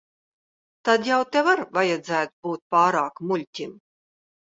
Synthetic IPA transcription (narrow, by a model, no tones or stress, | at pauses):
t̪ad̪jawt̪ɛvaɾvajɛd̪zæːt̪buːt̪̚pɑːɾaːkmulʲt̪ʲim